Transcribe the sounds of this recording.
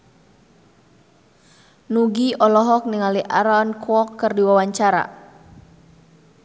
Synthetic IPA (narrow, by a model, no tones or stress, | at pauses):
nuɡiɔlɔɦɔk̚niŋaliʔaɾɔnkwɔkːɨrdiwawaɲt͡ʃaɾa̰